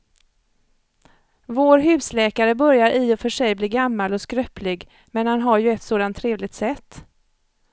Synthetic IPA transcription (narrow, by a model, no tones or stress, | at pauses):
voːɾɦʉ̟ːslɛːkaɾəbœɾjaɾʔɪːɔfœʂɛjbliːɡamːalɔskɾœpʰlɪɡ | mɛnhanɦaɾjɵɛt̪soːd̪ant̪ʰːɾeːvlɪɡ̚t̪sɛt̪ː